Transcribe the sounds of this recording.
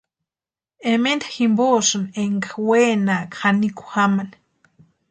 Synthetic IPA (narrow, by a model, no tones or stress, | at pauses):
emend̪aximbosɨneŋɡaweːnakxaniku̥xaman